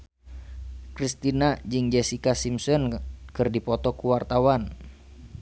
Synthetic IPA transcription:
kɾist̪inad͡ʒɨŋd͡ʒɛsikasimsɔnkɨrdipɔt̪ɔkuwart̪awan

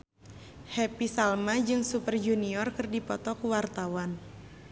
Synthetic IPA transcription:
hɛpisalmad͡ʒɨŋsupərd͡ʒuniɔrkɨrdipɔt̪ɔkuwart̪awan

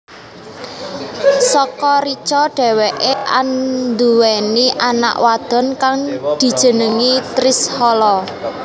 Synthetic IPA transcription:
sɔkɔɾit͡ʃɔɖ̥ɛ̤weʔeʔa̰nd̪uwɛniʔana̰ʔwad̪̥ɔ̤nkaŋd̪̥i̤d̥ʒ̥ə̤nəŋit̪ɾɪshɔlɔ

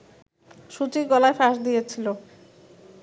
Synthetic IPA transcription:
ʃut͡ɕiɡɔlaefaʃd̪ijet͡ɕʰilo

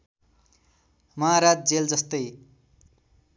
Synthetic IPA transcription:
mʌaɾad͡z̚d͡zeld͡zʌst̪ʌj

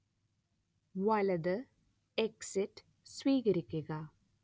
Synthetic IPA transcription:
ʋɐlɐd̪ɨ | eksiʈː | sʋiːɣɐɾikʲːuɣɐ

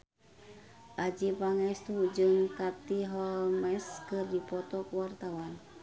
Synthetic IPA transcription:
ʔad͡ʒipaŋɛst̪ud͡ʒɨŋt̪at̪iɦɔmɛskɨrdipɔt̪ɔkuwart̪awan

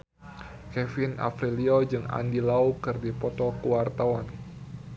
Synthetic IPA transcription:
kɛfina̰fɾiliɔd͡ʒɨŋa̰ndilaukɨrdipɔt̪ɔkuwart̪awan

